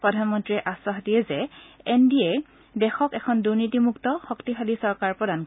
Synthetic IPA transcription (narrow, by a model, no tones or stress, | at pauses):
pɹɔdʱanmɔntɹiɛʔaswaxdijɛzɛɛndiɛ | dɛxɔkɛkʰɔnduɹnitimuktɔxɔktixalisɔɹkaɹpɹɔdan